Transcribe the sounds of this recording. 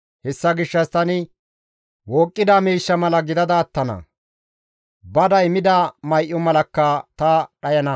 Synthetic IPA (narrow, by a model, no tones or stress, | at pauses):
hɛsːɐɡɪʃːɐst̪ɐnɪ | woːkʼːɪd̪amiːʃːɐmɐlɐɡɪd̪ɐd̪ɐːt̪ːɐnɐ̰ | bɐd̪ɐjmɪd̪aːmɐjʔːɔmɐlɐkːɐt̪ɐᶑɐjɐnɐ